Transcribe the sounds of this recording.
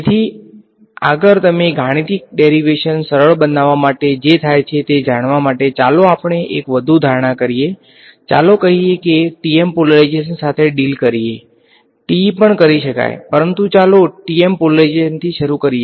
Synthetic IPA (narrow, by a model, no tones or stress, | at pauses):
et̪ʰi | aɡəɾt̪əmeɡʱaɽ̃it̪ik̚ɖeɾiʋeʃənsəɾəɭbənaʋamaʈed͡ʒet̪ʰajt͡ʃʰet̪ed͡ʒaɽ̃ʋamaʈet͡ʃaloapɳeʔekʋəd̪ʱud̪ʱaɾɳ̃akəɾije | t͡ʃa̰lokəɦiekeʈiempoləɾajd͡ʒeʃənsat̪ʰeɖilkəɾie | ʈipəɳkəɾiʃəka̰jpəɾənt̪ũt͡ʃaloʈiempoləɾajd͡ʒeʃənt̪ʰiʃəɾukəɾie